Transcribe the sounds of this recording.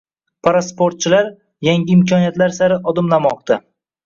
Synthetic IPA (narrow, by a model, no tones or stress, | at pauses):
pʰaɾaspoɾt̪̚t͡ʃʰɪlaɾ | jaŋɡʲɪɪmkʲʰɒnijat̪laɾsaɾɪʔɒd̪ɪmlamɒq̚d̪a